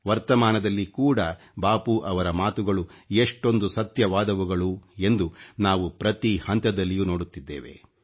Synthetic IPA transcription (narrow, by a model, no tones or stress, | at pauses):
ʋɐɾt̪ɐmaːnɐd̪ɐlːikuːɽɐ | baːpuʔɐʋɐɾɐmaːt̪uɡɐɭueʂʈo̞nd̪usɐt̪jɐʋaːd̪ɐʋuɡɐɭue̞nd̪unaːʋupɾɐt̪ihɐnt̪ɐd̪ɐlːijuːno̞ːɽut̪ːid̪ːḛːʋe̞̰